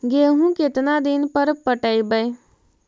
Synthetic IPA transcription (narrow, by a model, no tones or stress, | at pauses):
ɡeːɦũket̪nad̪ɪnpəɾpəʈəibəj